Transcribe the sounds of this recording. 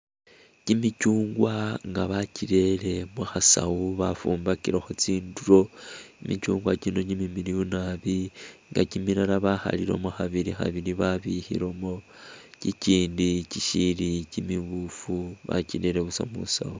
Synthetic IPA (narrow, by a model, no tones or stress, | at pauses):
cimicuːŋɡwaŋɡaβaciɾe̞le̞muxasa̰wuβafuːmbakiɾoxot͡siːnduɾo̞imicuːŋɡwacino̞ɲimimiɾijunaβiŋɡa̰cimiɾalaβaxa̰liɾo̞̰muxaβiɾixa̰βiɾiβaβihḭɾomo̞ciciːndiciʃilicimiβufuβa̰ciɾe̞ɾeβusa̰mṵsa̰u